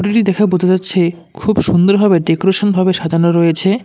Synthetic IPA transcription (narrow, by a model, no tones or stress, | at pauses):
ʈiʈid̪ɛkʰabod͡ʑʱed͡ʑatːɕʰe | kʰubʃund̪oɾbʱabeɖekoɾeʃonbʱabeʃad̪ʱaɾnoɾojet͡ɕʰe